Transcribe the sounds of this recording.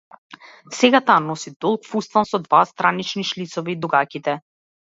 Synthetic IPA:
sɛɡat̪aːnɔsid̪ɔlˠkfust̪ansɔd̪vast̪ɾanit͡ʃniʃlit̪sɔvɛid̪uɡakit̪ɛ

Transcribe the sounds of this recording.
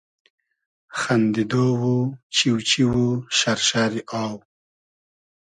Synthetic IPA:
xand̪id̪owut͡ʃiwt͡ʃiwuʃaɾʃaɾiʔɑːw

